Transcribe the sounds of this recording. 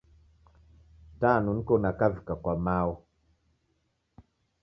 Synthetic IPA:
tanun̩konakavikakwamawɔ

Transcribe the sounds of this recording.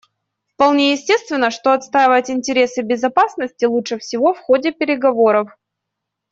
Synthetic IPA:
fpɐlˠnʲejɪsʲtʲe̞st̪vʲɪnːəʂt̪o̞ɐt̪st̪ajɪvəjtʲɪnʲtʲɪɾʲe̞sɨbʲɪzɐpasnəsʲtʲɪlˠutʂɨfsʲɪvo̞fxo̞dʲɪpʲɪɾʲɪɡɐvo̞ɾəf

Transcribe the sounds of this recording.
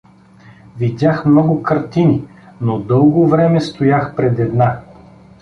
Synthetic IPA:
vid̪ʲaxmnɔɡʊkɐɾt̪ini | nod̪ɤlˠɡovɾɛmɛst̪ojaxpɾɛd̪ɛd̪na

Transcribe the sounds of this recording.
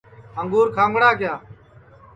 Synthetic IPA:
əŋɡuːɾkʰãːŋɡɽaːkjaː

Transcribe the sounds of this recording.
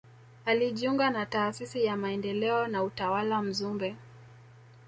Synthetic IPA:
aliʄiuŋɡanataːsisijamaɛndɛlɛɔnautawalam̩zumbɛ

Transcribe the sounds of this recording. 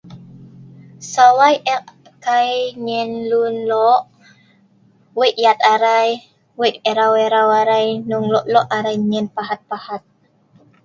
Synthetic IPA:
sawajʔɛʔ | kajɲɛnlunlɔʔ | weʔjat̪aɾaj | wɛʔɛɾawɛɾawaɾajnuŋlɔʔlɔʔaɾajɲɛnpaɦat̪̚pahat̪̚

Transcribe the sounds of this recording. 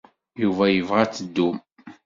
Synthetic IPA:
juvæjəvʁæt͡sːəd̪ːum

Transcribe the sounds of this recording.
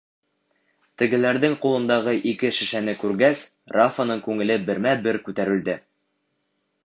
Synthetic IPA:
t̪ɘ̆ɡɘ̆læɾðɘŋqulˠɤ̆nd̪ɑʁɤʔikɘʃɘ̆ʃænɘkʉɾɡæs | rafanɤɴkʉŋɘ̆lɘbɘ̆ɾmæbɘɾkʉt̪æɾɘ̆ld̪ɘ

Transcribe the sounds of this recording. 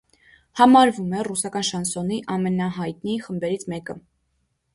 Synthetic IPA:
hɑmɑɾvumɛrusɑkɑnʃɑnsɔniʔɑmɛnɑɦɑjt̪niχəmbɛɾit͡sʰmɛkə

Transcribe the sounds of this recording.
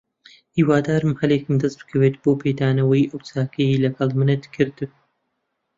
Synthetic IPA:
hiːwaːd̪aːɾɨmhɐleːkɨmd̪ɐst̪̚b̥ɨ̥kʰɐweːt̪̚b̥oːpʰeːd̪aːnɐwɐjiʔɨwt͡sʰaːkʰɐjilɐɡɐlˠmɨned̪kʰɨɾd̪ɨ

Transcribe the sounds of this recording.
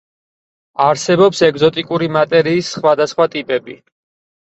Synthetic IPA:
aɾsɛbɔpsɛɡzɔt̪ʼikʼuɾimat̪ʼɛɾiːsχwad̪asχwat̪ʼipʼɛbḭ

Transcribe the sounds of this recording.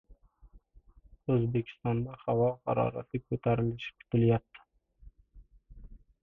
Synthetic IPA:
ɵzbe̞kʲʰɪ̥st̪ɒnd̪ahavɒqɑɾɒ̰ɾa̰t̪ɪkʰɵt̪ʰaɾɪlɪʃɪ̥p̚kʰʊ̥t̪ʰɪljap̚t̪ʰɪ̥

